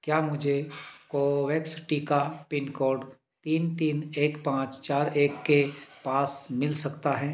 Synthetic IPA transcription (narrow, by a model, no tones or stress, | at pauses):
kjaːmʊd͡ʒʱekoːʋɛːksɪʈikapɪnkoːɾɖ | t̪iːnt̪iːneːkpãːt͡ʃt͡ʃaːɾeːkːepaːsmɪlsɐkt̪aɦɛː